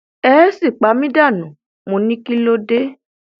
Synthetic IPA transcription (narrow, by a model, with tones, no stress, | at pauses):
ɛ˦si˦˨k͡pa˨˦mĩ˦da˦˨nũ˨˦ | mõ˨˧nĩ˦ki˦lo˦de˦